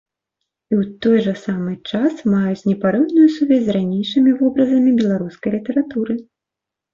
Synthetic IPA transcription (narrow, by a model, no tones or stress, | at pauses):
iwt̪ɔjʐɐsamɨt͡ʂasmajut͡sʲnʲɛpaɾɛwnujusuvʲɛzʲzʲɾanʲejʂɨmʲivɔbɾɐzɐmʲibʲɛlˠaɾuskɐjlʲit̪ɛɾat̪uɾɨ